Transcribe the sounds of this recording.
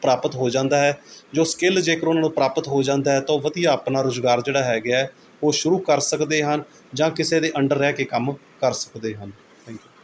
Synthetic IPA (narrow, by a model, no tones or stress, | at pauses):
pɾaːpət̪ɦoːd͡ʒãːnd̪aːɦɛːd͡ʒoːskɪld͡ʒeːkəɾʊnãːnũːpɾaːpət̪ɦoːd͡ʒãːnd̪aːɦɛːt̪ãːʋəd̪ijaːəpnaːɾoːzɡaːɾd͡ʒeːɽaːɦɛːɡɪaːɛː | oːʃʊɾuːkəɾsəkd̪eːɦən | d͡ʒãːkɪseːd̪eːʔəɳɖəɾːɛːkeːkəm | kəɾsə̥kd̪eːɦən | t̪ʰɛ̃ːŋkjuː